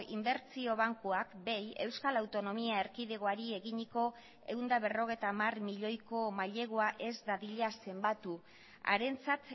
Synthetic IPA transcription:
imbe̞ɾt͡sio̞β̞aŋkuakbe̞je̞wskalawt̪o̞no̞miae̞ɾkiðeɣ̞oaɾie̞ɣiɲiko̞ | e̞̰und̪aβ̞e̞ro̞ɣ̞e̞jt̪amarmiʎo̞jko̞maʎe̞ɣoaʔe̞zd̪aðiʎease̞mbat̪u | a̰ɾe̞nt͡sat̪

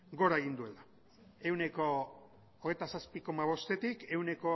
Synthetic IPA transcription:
ɡo̞ɾaeɣind̪ue̞la | e̞wne̞ko̞ː | ɣejt̪asaspiko̞maβ̞o̞st̪e̞t̪ike̞wne̞ko̞

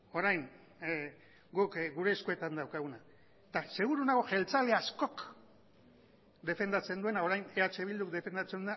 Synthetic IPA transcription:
o̞ɾajŋ | ɡukɡuɾe̞ːskue̞t̪and̪awkaɣuna | t̪ase̞ɣuɾunaɣoʝe̞lt͡sale̞asko̞k | d̪e̞fe̞nd̪at͡se̞nd̪ue̞naoɾajne̞at͡ʃe̞βild̪ukd̪e̞fe̞nd̪at͡se̞nd̪ua

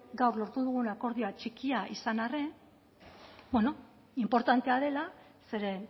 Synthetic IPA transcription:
ɡawrlo̞ɾt̪uðuɣ̞unako̞ɾðio̞at͡ʃikiaʔisanare̞ | beno̞ | impo̞ɾt̪ant̪e̞að̞e̞la | se̞ɾe̞

